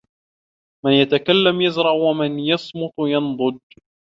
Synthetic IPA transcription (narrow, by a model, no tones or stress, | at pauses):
mɪnjat̪akalːamjazɾˤɑʕwamɪnjɑsˤmʊt̪ˤjɑnd̪ˤʊd̪